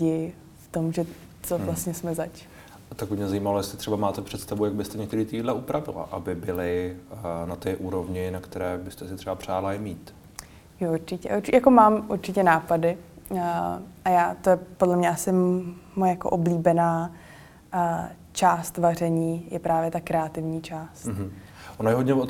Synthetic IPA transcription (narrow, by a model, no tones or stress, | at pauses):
ɪ | ft̪o̞mʒɛ | t͡sovlast̪ɲɛsmɛzat͡ʃ | at̪akmɪmɲɛzajimalojɛstlɪt̪r̥ɛbamaːt̪ɛpr̥ɛt̪st̪avujaɡ̚bɪst̪ɛɲɛkt̪ɛɾiːt̪idlɛʔupɾavɪ̰la̰ʔabɪbɪlɪ | nat̪ɪʔuːɾovɲɪnakt̪ɛɾɛːbɪst̪ɛsɪt̪rɛbapr̝̥aːlaɪmiːt̪ | joʔuɾt͡ʃɪcɛ̰ʔuɾt͡ʃjako̞maːmʔuɾt͡ʃɪcɛnaːpadɪ | ʔajaːt̪ojɛpdlɛmɲɛʔasɪmojɛjako̰ʔobliːbɛnaː | t͡ʃaːst̪var̝ɛɲiːjɛpɾaːvjɛt̪akɾɛat̪ɪvɲiːt͡ʃaːst̪ɦ̩ | ʔonajɛɦodɟɲɛvot̪